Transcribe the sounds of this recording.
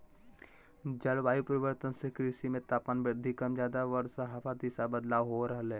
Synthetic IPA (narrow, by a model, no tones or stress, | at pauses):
d͡ʒəlʋaːipəɾɪʋəɾt̪ənsekɾiʃimẽt̪aːpaːnbɪɾd̪ʱikɐmd͡ʒjaːd̪aʋəɾsəɦapʰad̪iːsabəd̪laːʋɦoɾəɦəlɛː